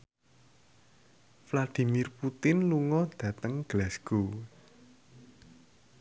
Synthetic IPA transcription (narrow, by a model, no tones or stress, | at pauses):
flad̪̥i̤mirput̪ɪnluŋɔd̥ä̤t̪əŋɡ̥lɛsɡ̥o